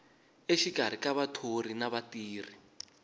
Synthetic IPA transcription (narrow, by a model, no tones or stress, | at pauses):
eʃiɡ̥ʱaɾ̤ikaβatʰor̤inaβatiːr̤i